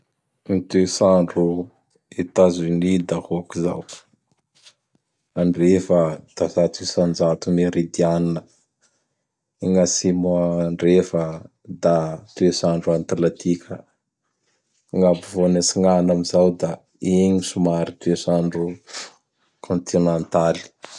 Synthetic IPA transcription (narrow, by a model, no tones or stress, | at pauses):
nit̪esaɳɖ͡ʐu | et̪azunid̪ahokiza̰w | aɳɖ͡ʐefəd̪̥azat̪isand͡ʒat̪umeɾid̪ianinə | iŋasimuaɳɖ͡ʐefə | d̪at̪uesaɳɖ͡ʐuant̪alat̪ʰikʲʰə | ŋabuvonasiŋanamizawd̪a | eɲisumaɾit̪uesaɳɖ͡ʐu | kʰõnt̪ʰinent̪ali̥